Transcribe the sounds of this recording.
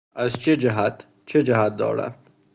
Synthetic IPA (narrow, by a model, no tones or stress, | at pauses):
azt͡ʃʰed͡ʒaɦat̪ | t͡ʃʰed͡ʒaɦat̪̚d̪ɒ̰ːɾa̰d̪̥